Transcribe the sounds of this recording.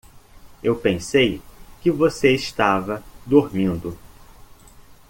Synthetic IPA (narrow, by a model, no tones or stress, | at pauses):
ewpẽsejkɪvoseɪʃt̪avɐd̪oɾmĩnd̪ʊ